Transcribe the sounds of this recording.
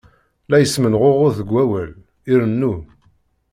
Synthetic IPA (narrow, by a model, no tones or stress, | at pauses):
læjəsmənʁʊʁʊɾθəɡʷæwæl | iɾənːu